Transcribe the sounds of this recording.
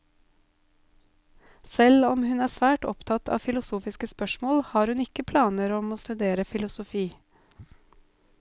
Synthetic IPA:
sɛlɔmhʉnæːsʋæːʈɔ̰pt̪ʰɑt̪ʰɑ̰ːfɪlʊsuːfɪskəspœʃmoːlhɑːɾhʉnɪkəpʰlɑːnəɾɔmoːst̪ʉd̪eːɾəfɪlʊsʊfiː

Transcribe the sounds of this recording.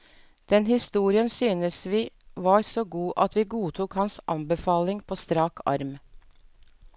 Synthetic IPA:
d̪̥ɛnhɪst̪uːɾɪənsyːnəsʋiːʋɑːɾsoːɡuːʔɑt̪ʰʋiːɡuːt̪ʰuːkhɑnsʔɑmbəfɑːlɪŋpʰoːst̪ɾɑːkʰɑ̰ɾm

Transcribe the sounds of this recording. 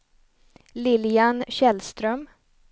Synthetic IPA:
lɪljanɕɛlst̪ɾœm

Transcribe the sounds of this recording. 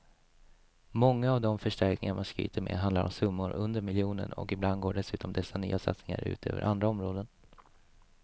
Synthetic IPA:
mɔŋːaːvd̪ɔmfœʂʈæɾknɪŋaɾmanskɾy̰ːt̪ʰəɾmɛ̰ɦand̪laɾʔɔ̰msɵmːʊɾʔɵnd̪əɾmɪljuːnəɳɔ̰kɪbland̪ɡoːɖɛsʉ̟ːt̪ɔmd̪ɛsːany̰ːasa̰t̪snɪŋa̰ɾʉ̟ːt̪ʰøːvəɾʔand̪ɾaɔmɾoːd̪ən

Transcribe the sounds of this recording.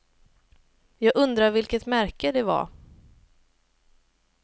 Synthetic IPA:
jɑːɡɵnd̪ɾaɾvɪlkət̪mæɾkəd̪ɛva̰ɾ

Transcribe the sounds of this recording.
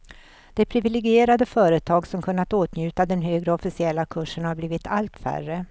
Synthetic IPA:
d̪̥ɛpʰɾɪvɪlɛɡɪeːɾad̪əfœːɾət̪ʰɑːɡsɔmkʰɵnːat̪oːt̪njʉ̟ːt̪ad̪ɛnɦøːɡɾəɔfɪsɪɛlːakʰɵʂːənhaɾbliːvɪt̪ʰalt̪fæ̰rːə

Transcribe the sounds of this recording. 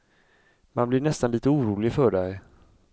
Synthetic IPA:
ma̰nblɪɳɛst̪anliːt̪əuːɾuːlɪɡfœɖɛj

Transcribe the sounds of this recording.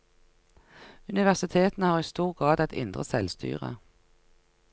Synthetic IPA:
ʉnɪʋæʁsɪt̪ʰeːt̪n̩əhɑːʁiːst̪uːʁɡʁɑːd̪ɛt̪ʰɪ̰nd̪ʁəsɛlst̪ʰy̰ːʁə̰

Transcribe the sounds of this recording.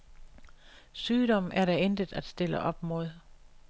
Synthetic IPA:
syːɾɒ̽m̰ʔæɐɾæend̥əð̩ˠæd̥sd̥e̝ləʔɒ̽b̥mo̝ð̞ˠ

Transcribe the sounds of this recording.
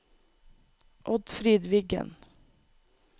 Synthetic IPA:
ʔɔd̪fɾiːd̪ʋɪɡə̰n

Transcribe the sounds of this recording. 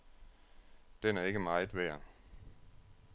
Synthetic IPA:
d̥enæɐe̝ɡ̥əmɑ̈ɪð̩ˠʋæɐ̰

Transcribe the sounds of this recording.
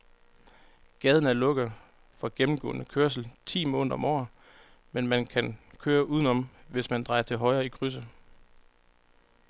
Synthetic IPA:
ɡ̥ɛːð̞ˠən̩æɐlɔ̽ɡ̥ðˠ | fɒ̽ɡ̥emm̩ɡ̥ɔ̰ːnəkʰøɐs̬l̩t͡sʰḭːmɔ̽ːnðd̰ˠɒ̽mɒ̰ː | menmænkʰænkʰøːɐʔuðˠən̩ɒ̽mʋe̝smænd̥ʁɑ̈ɪɐt͡sʰe̝lɦɒ̽ɪʁɐːikʰʁys̬ə

